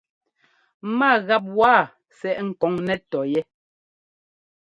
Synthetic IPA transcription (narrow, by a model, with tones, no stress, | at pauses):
ma˦˨ɣa˦p̬̚waː˦˨ | sɛ˨ʔŋ̩˨kɔ˨˦ŋnɛ˦tɔ˨jɛ˦